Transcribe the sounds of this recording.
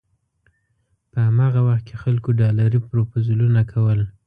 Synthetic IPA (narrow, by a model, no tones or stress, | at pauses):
pəamɑɣawaxt̪̚kexalkoɖɑlaɾipɾopozulunakʰawəl